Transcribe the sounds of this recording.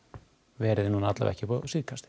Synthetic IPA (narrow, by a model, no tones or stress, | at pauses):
vɛːɾɪðɪnunaat̪la̰vɛ̰hcɪpɔsiðkʰast̪ɪ̥